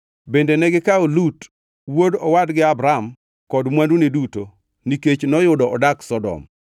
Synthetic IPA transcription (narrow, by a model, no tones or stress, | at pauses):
bendenɛɡɪkaolut | wodɔwadɡɪabɾam | kɔdmwanduneduto | niket͡ʃnɔjʊdɔʔɔdaksɔdɔ̰m